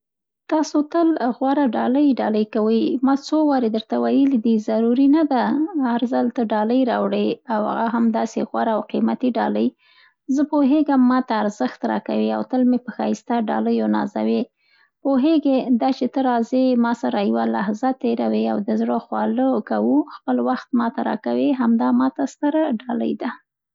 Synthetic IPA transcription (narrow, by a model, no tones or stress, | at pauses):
t̪ɑsot̪əlɣwaɾaɖɑləjɖɑləjkawəjmɑt͡sowɑɾed̪əɾt̪awajəlid̪izaɾuɾinad̪aaɾzalt̪əɖɑləjɾɑwɽeawha̰ɣaɦamd̪ɑseɣwaɾaːwqimat̪iɖɑləj | zəpoɦeɡamːɑt̪aːɾzəxt̪ɾɑ̰ka̰wia̰wt̪əlmepəxɑist̪aɖɑ̰ləjonɑ̰za̰we | poɦeɡed̪ɑt͡ʃet̪əɾɑzemɑsaɾajwalahzat̪eɾawea̰wd̪əzɽoxwɑləkawuxpəlwaxt̪̚mɑt̪aɾɑ̰kaweɦamd̪ɑmɑt̪ast̪əɾaɖɑlə̰jd̪a